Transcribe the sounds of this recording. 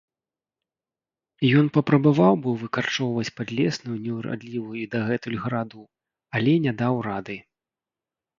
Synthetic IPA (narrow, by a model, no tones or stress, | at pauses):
ijɔnpɐpɾɐbavawbɨvɨkart͡ʂɔwvɐt͡sʲpad̪lʲɛsnujunʲɛwɾa̰d̪lʲivujuid̪ɐɣɛt̪ulʲɣɐɾad̪u | ɐlʲɛnʲɛd̪awrad̪ɨ